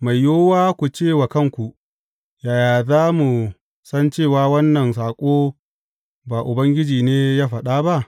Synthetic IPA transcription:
ma˨jːoː˦waː˦kʷu˨t͡ʃeː˦˨wa˨kɐ˦ŋkʷu˨ | jaː˨jaː˨zaː˦mu˨ | sɐ˦nt͡ʃeː˦˨waː˦wɐ˦nːɐ˨nsaː˨kʷʼoː˦ | baː˨ʔʊ˨bɐ˦ŋɡʲɪ˦d͡ʒiː˨neː˦jaː˦ɸɐ˨ɗaː˦ba˦ʔ

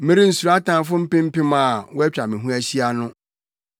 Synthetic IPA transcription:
mɪ̃˦ɾi˦n̩˨su˨ɾa˦tã˨nfʊ̃˦m̩˦pɪ̃˦m̩˦pɪ̃˦mã˨wɔ˦ɛ˦t͡ɕᶣa˨mɪ̃˨ɦũ˦æ˦ɕi˦a˦nʊ̃˦

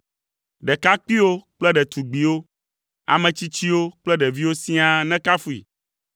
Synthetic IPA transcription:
ɖɛ˨ka˦k͡pi˦wo˦k͡plɛ˦ɖɛ˨t̪u˨ɡ͡bi˨wo˦ | a̰˨mɛ̃˨t͡ɕi˦t͡ɕi˦wo˦k͡plɛ˦ɖɛ˨vi˦wo˦sĩ˦a˦nɛ̃˦ka˦fu˦ḭ˨

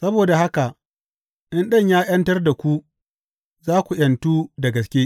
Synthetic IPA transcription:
sɐ˦boː˨da˨ha˦ka˨ | ʔɪ˦nɗɐ˦ɲjaː˦jɐ˦ntɐ˦rda˨kʷu˦ | zaː˦kʷu˨j̰ɐ˨ntuː˦dɐ˨ɡɐ˨skʲeː˦

